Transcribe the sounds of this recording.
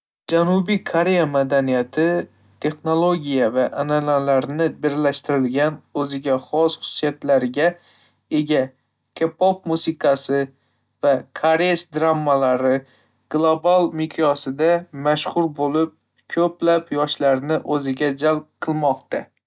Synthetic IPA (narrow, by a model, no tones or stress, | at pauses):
d͡ʒanubikʰoɾe̞jamad̪anijat̪ʰɪ | t̪ʰe̞χno̞lˠoɡʲijavaʔanalalaɾnɪbɪɾlaʃt̪ɪɾɪlɡʲanɵzɪɡʲaχɒsχʊ̥sijat̪laɾɪɡʲa | e̞ɡʲa | kʲʰepʰɒp̚musɪkʰasɪ | vakʰaɾesd̪ɾamːalaɾɪ | ɡ̥lˠobalˠmɪkʲʰɒsɪd̪amaʃχʊɾbolɪp̚ | kʲʰɵplapjɒʃlaɾnɪʔɵzɪɡʲad͡ʒalˠp̚qʰɨlˠmɒqt̪ʰa